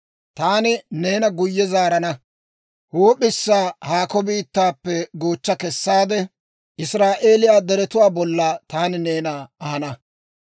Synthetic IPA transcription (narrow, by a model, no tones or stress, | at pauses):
t̪aːnɪne̞ːnɐɡʊjːɛzaːɾɐnɐ | hoːpːɪsːaːhaːkɔbiːt̪ːaːpːɛɡo̞ːt͡ʃːɐkɛsːaːd̪ɛ | ʔɪsɾaːʔe̞ːlɪjaːd̪ɛɾɛt̪ʊwaːbɔlːat̪aːnɪne̞ːnaːɐhɐnɐ